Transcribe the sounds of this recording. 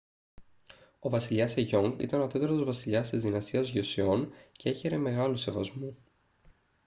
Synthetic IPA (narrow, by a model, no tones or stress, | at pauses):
o̞vɐsiʎɐseʝo̞ŋɡḭt̪ɐnot̪et̪ɐɾt̪ozvɐsiʎɐst̪izðinɐst̪iɐzʝosio̞nce̞e̞çe̞ɾe̞me̞ɣɐluse̞vɐzmu